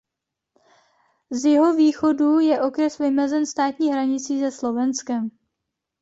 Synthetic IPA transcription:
zjɪɦo̞viːxo̞dujɛʔo̞kɾɛsvɪmɛzɛnst̪aːt̪ɲiːɦɾaɲɪt͡siːzɛslo̞vɛnskɛm

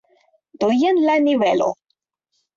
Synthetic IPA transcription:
d̪̥ojənlanivelo̰

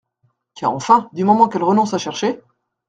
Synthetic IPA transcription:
ka̰ʁɑ̰̃fɛ̃d̪ymɔmɑ̃kɛlʁənɔ̃saʃɛʁʃe

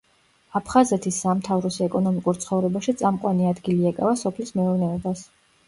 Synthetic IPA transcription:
apʰχazɛt̪ʰisːamt̪ʰavɾɔsɛkʼɔnɔmikʼuɾt̪sʰχɔvɾɛbaʃit̪sʼamqʼwaniad̪ɡiliɛkʼa̰vasɔpʰlismɛɔɾnɛɔbas

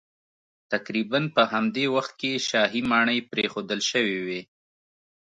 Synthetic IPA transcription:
t̪akɾibanpəɦamd̪ewaxt̪̚keʃɑɦimɑɳəjpɾexod̪əlʃəwiwe

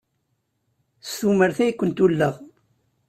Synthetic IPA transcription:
sθuməɾθæjkʷːənt̪ulːəʁ

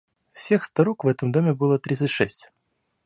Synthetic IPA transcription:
fsʲexst̪ɐɾokvɛt̪əmd̪omʲɪbɨlˠət̪ɾʲit̪sɨtʲʂɛsʲtʲ

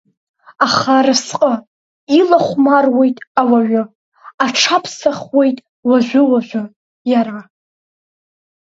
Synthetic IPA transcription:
aχaɾɨsqʼə | ilaχʷmarwe̞jtʼawaɥʊ | aʈ͡ʂʰapʰsaχwe̞jtʼ | waʒʷᶣʊwaʒʷᶣa | jaɾa

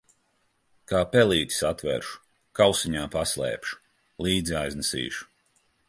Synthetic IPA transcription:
kaːpɛlˠiːt̪ʲi̥sat̪vɛ̰ɾʃu̥ | kawsiɲaːpaslˠɛ̰ːpʃu̥ | lˠiːd̪ziajznɛsḭːʃu̥

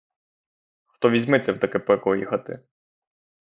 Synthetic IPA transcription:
xt̪ɔʋʲizʲmɪt̪sʲɛwt̪ɐkɛpɪkɔjixɐt̪ɪ̰

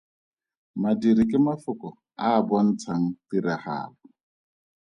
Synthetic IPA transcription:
madiɾikʼɪmafʊkɔ | aːbɔn̩t͡sʰaŋ̩tiɾaha̰ːlɔ

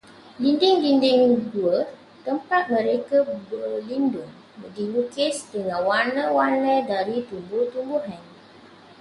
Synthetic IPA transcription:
lindɪŋlindɪŋduə | t̪əmpat̪̚mə̃ɾekəbəlindʊŋ | bədilukɪsdəŋãnwarnə̃warnədaɾit̪umbut̪umbuɦan

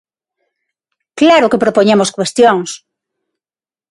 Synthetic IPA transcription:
klaɾʊkepɾopoɲemoskwest̪joŋs

